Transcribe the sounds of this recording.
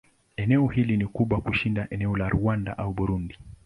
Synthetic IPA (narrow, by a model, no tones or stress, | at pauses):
ɛnɛɔhilinikuɓwakuʃindaʔɛnɛɔlaɾuanda̰ʔauɓuɾundi